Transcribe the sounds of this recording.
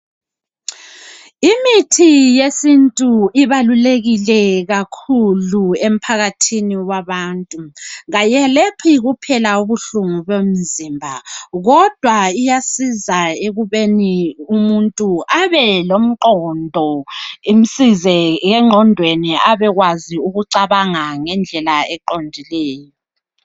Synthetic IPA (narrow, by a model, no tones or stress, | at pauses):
imitʰijesintʼuiβaluleɣilɛɣakʰuluem̩pʰaɣatʰiniwaβaːntʼuɣajɛlepʰiɣupʰɛlauβuɬuŋuβem̩zimbʱa̰ɣɔd̥ʱwaijasizaeɣuβeniumuntʼuʔaβɛlom̩ǃɔndʱɔim̩sizɛɣɛŋ͡ǁʱɔndʱweniaβɛɣwaziuɣuǀaβaŋaŋɛnd͡ɮʱɛlaɛǃondʱilɛːjɔ